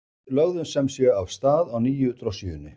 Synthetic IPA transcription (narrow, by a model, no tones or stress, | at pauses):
lœɣðʏnsɛmsɛavst̪aːðawniːjʏt̪ɾosijʏnːɪ̰